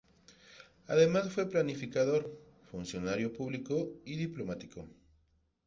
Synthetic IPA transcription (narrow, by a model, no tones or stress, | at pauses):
a̰ðemasfweplanifikaðoɾ | funsjonaɾjopuβlikoiðiplomat̪iko